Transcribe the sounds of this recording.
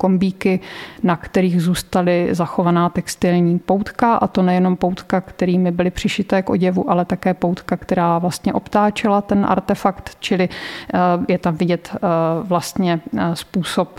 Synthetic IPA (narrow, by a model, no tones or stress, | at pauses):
ko̞mbiːkɪnakt̪ɛɾiːɣzuːst̪alɪzaxo̞vanaːt̪ɛkst̪ɪlɲiːpowt̪kaʔa̰t̪o̞nɛjɛno̞mpowt̪kakt̪ɛɾiːmɪbɪlɪpr̝̥ɪʃɪt̪ɛːkʔo̞̰ɟɛvuʔalɛt̪akɛːpowt̪kakt̪ɛɾaːvlast̪ɲɛʔo̞pt̪aːt͡ʃɪlat̪ɛnʔa̰ɾt̪ɛfakt̪t͡ʃɪlɪ | jɛt̪amvɪɟɛt̪vlast̪ɲɛspuːso̞p̚